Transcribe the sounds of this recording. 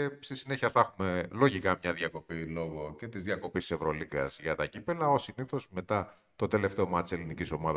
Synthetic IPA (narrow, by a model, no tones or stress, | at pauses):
est̪isine̞çiɐθɐxume̞lo̞ʝikɐmɲɐðiɐko̞pilo̞ɣo̞ce̞t̪izðjɐko̞pist̪i̥se̞vɾo̞liɣɐ̰zʝɐt̪ɐcipelɐo̞siniθo̞zme̞t̪ɐ | t̪o̞t̪e̞le̞ft̪eo̞mɐt̪iseliniciso̞mɐðɐ